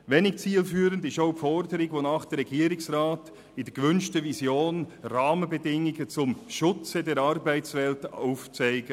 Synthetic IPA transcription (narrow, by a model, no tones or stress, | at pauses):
ʋeːnɪk̚t͡siːlfyːɾəndɪʃoʊpfɔɾdəɾɪɡʋoːnɑːχd̥ɛɾːɛɡiːɾɪksʁaːt | ɪd̥əɡ̥əvʏnʃtəvizjoːnrɑːmənbədɪŋɪɡət͡sʊmʃʊt͡sədɛːɾɑɾbæɪtt͡svɛltaʊft͡saɪɡə